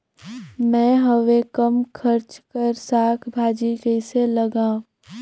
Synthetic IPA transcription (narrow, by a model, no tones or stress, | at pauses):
mɛ̃ːɦəʋekəmkʰəɾt͡ʃkəɾsaːkʰbʱaːd͡ʒikɛɪselɐɡãː